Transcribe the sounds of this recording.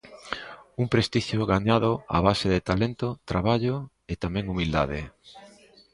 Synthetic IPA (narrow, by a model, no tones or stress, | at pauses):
uŋpɾest̪iʃjoɣaɲaðʊa̰β̞aseðet̪alent̪ʊt̪ɾaβaʎo | et̪amɛ̃ŋumild̪a̰ðɪ